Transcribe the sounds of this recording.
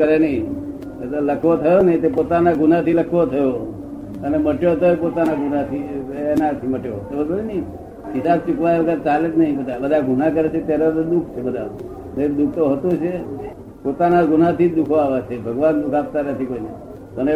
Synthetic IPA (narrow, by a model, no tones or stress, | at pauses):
kəɾenəĩ | et̪oləkʰʋot̪ʰəjonəɦĩt̪epot̪anaɡʱunat̪ʰiləkʰʋot̪ʰəjo | əneməʈjot̪oepot̪anaɡunat̪ʰinat̪ʰiməʈjot̪ebəd̪oinəi | ɦɪsab̚t͡ʃukʋajʋəd̪ʱəɾt͡ʃaled͡ʒnəɦĩpət̪abəd̪ʱaɡʱunak̬əɾet͡ʃʰet̪jaɾod̪ukʰt͡ʃʰebəd̪ʱa | neɾd̪ukʰt̪oɦət̪ot͡ʃʰe | pot̪anaɡunat̪ʰid̪ukʰoaʋat͡ʃʰebʱəɡʋand̪ukʰap̚t̪anət̪ʰikoinəi | p̪əne